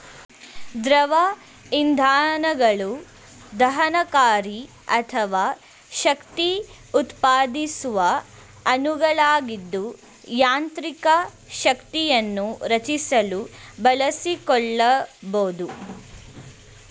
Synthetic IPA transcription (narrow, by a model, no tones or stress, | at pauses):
d̪ɾɐʋɐ | ind̪ʱaːnɐɡɐɭu | d̪ɐɦɐnɐkaːɾi | ɐt̪ʰɐʋaː | ʃɐkt̪i | ut̪paːd̪isuʋɐ | ɐnuɡɐɭaːɡid̪ːu | jaːnt̪ɾikɐ | ʃɐkt̪ijɐnːuɾɐt͡ʃisɐlubɐlɐsikɔɭːɐboːd̪u